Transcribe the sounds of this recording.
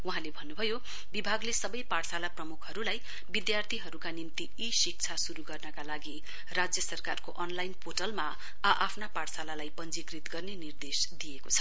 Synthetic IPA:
wuɦãlebʱʌnːubʱʌjo | bibʱaɡlesʌbʌjparsalaprʌmukʰɦʌɾulaj | bid̪jart̪ʰiɦʌɾukanimt̪iisik̚t͡sʰasuɾuɡʌrnʌkalaɡi | rad͡zjʌsʌrkarkoʔʌnlajnpʰoʈʌlma | aʔapʰnaparsalalajpʌnd͡zikrit̪ɡʌrnenird̪esd̪ijekot͡sʰʌ

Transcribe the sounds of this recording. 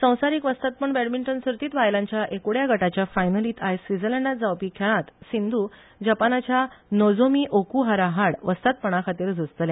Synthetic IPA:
sə̃w̃saɾiːkʋəst̪at̪̚pəɳbɛɽmiɳʈənsəɾt̪iːt̪ʋajlãɲt͡ɕjaʔekuɽjaɡʱəʈat͡ɕjafajnəliːt̪ajsʋid͡zəlɛɳɖad͡zawpiːkʰɛɭãt̪sind̪ʱu | d͡ʑapanat͡ɕjanɔd͡zomiːʔokuɦaɾaɦaɽʋəst̪at̪̚pəɳakʰat̪iːɾd͡zʱust̪lja

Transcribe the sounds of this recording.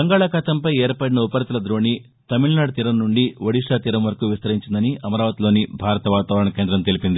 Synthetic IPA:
bɐŋɡaːɭaːkɐt̪ɐmpɐjeːɾpɐɽinɐupɐɾt̪ilɐd̪ɾoːni | t̪ɐmiɭɐnaːɽɐt̪iɾɐmnuɳɖiʋɐɽiʂaːt̪iɾɐmʋɐɾɐkuːʋist̪ɐɾiɲt͡ʃind̪ɐniʔɐmɐɾaːʋɐt̪ilo̞ːnibʱaːɾɐt̪ɐʋaːt̪aːʋɐɾɐɳnɐke̞ːnd̪ɾɐmt̪e̞lipind̪i

